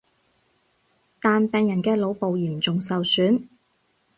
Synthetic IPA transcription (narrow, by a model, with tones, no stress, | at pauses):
t̪aː˨npɛː˨ŋjɐ˨˩nkɛː˧lo˨˧wpo˨˧wjiː˨˩mt͡sʊ˨ŋsɐ˨wsyː˨˥n